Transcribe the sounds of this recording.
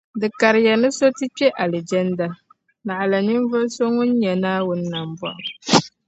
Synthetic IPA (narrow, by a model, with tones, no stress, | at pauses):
dɨ˨ka˨ɾɪ˨ja˨nɨ˦so˦tɨ˦k͡pɛ˦ʔa˨lɛ˨d͡ʒɛ˦nda˦ | na˨ʔa˨la˨nɪ˦ɱ˦vʊ˦so˦ŋʊ˦n˦ɲɛ˨naː˦wʊ˦n˦na˨m˨bɔ̰˦ʔʊ˨